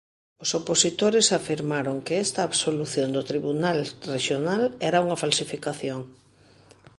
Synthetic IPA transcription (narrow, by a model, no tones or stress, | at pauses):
ʊsoposit̪oɾɪsafiɾmaɾoŋkeɛst̪ɐːβsoluθjond̪ʊt̪ɾiβunalreʃjonalɛɾauŋɐfalsifikaθjoŋ